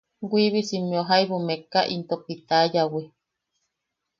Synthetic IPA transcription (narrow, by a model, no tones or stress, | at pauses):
ɡʷiβisimioɦaiβumekaʔint̪opit̪ajawi